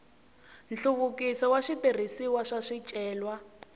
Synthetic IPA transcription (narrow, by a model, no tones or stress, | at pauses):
n̩ɬuβukisɔwaʂiter̤isiwaʂaʂit͡ʃʼɛːlwa